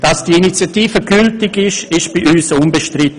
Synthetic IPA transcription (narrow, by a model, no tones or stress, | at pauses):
d̥ɑsd̥iinit͡sjatiːfəɡyltɪɡɪʃɪʃb̥iʔyːsʊnbəʃtrɪt